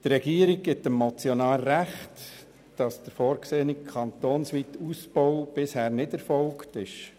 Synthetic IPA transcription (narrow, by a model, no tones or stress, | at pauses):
t̪rɛɡiːəɾiɡ̚ɡɪtəmːɔt͡sjonɑːlɾæχt | d̥ɑsd̥əɾfoːɾkseːənikʰɑnt̪oːnsʋiːtuspoʊb̥ɪshæːɾnɪdæɾfɔlktɪʃ